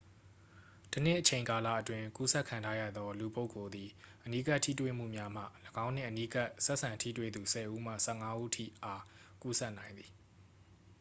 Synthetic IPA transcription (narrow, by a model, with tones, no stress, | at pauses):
tənɪ˦ʔət͡ɕʰẽ˨ɪ̃ŋka˨la̰˦˨ʔətwɪ̃˦ku˦sɛ˦ʔkʰːã˨ntʰa˦jä̰˦˨d̪ɔ˦lu˨po˦ʊkːo˨d̪i˨ʔəni˦ka˦ʔtʰḭ˦˨twḛ˦˨m̥ṵ˦˨mja˦m̥a̰˦˨ləɡã˦ʊ̃n̥ɪ̰̃˨ʔəni˦ka˦ʔsɛ˦ʔsã˨ntʰḭ˦˨twḛ˦˨d̪u˨sɛ˨ʔu˦m̥a̰˦˨sɛ˦˨ŋa˦ʔṵ˦tʰḭ˦˨ʔa˦ku˦sɛ˦ʔnã˨ɪ̃nd̪i˨